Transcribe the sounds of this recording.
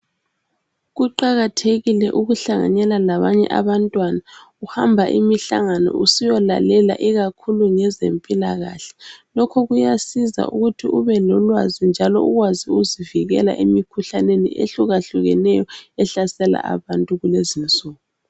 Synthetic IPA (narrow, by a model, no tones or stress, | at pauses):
ɣuǃaɣatʰeɣilɛʔuɣuɬaŋa̰ɲɛlalaβaɲɛ̰ʔaβantʼwana | uhambʱaʔḭmiɬa̰ŋanɔ̰usijɔla̰lɛla̰ʔiɣakʰuluŋɛzḛmpʼilaɣa̰ɬɛ̥lɔkʰɔɣujasiza̰ṵɣutʰiʔuβɛlɔlwazind͡ʒʱalɔ̰uɣwaziuziviɣɛla̰ʔimikʰuɬanenḭʔḛɬuɣaɬuɣɛ̰nɛjɔɛɬasɛla̰ʔa̰βantʼuɣulezint͡sʼuːɣɔ